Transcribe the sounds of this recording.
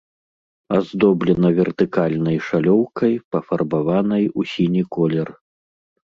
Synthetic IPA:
azd̪ɔblʲɛnɐvʲɛrt̪ɨkalʲnɐjʂalʲɔwkɐjpɐfɐrbavanɐjusʲinʲikɔlʲɛr

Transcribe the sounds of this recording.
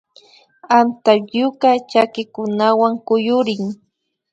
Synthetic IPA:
ant̪ajʊkat͡ʃakɪkʊnawaŋkʊjʊɾɪŋ

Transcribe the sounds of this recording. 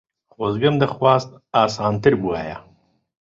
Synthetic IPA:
χozɡamd̪əxwɑːst̪̚ | ɑːsɑːnt̪ɪɾbua̰ːja̰

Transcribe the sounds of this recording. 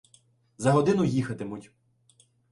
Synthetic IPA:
zɐɦɔd̪ɪnʊjixɐt̪emutʲ

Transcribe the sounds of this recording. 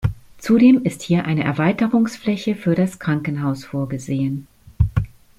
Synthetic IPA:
t͡sudeːmɪsthiːɐʔaɪnəʔɛɐvaɪtəʁʊŋsflɛçəfyːɐɾaskʁ̥aŋkən̩ɦaʊsfoːɐɡəzeːən

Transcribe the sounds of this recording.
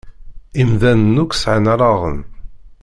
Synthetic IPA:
imðænənːukʷsʕnɾˤɑʁə̰n

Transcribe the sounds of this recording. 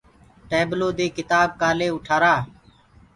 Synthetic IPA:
ʈeːbloːd̪eːkɪt̪aːb̚kaːleːʊʈʰaːɾaː

